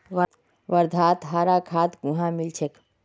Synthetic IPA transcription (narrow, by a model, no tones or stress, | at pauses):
ʋ | ʋɐɾd̪ʱaːt̪ɦaːɾaːkʰaːt̪ɡũɦãːmilt͡ʃʰek